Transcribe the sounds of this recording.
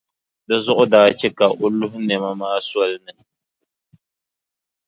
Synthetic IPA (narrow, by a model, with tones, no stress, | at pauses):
dɨ˦zʊ˦ʔʊ˦daː˨˦t͡ʃɛ˦ka˨ʔo˦lʊ˦ɦʊ˦nɛ˨ma˦maː˦swɔ˦lɨ˦nɨ˦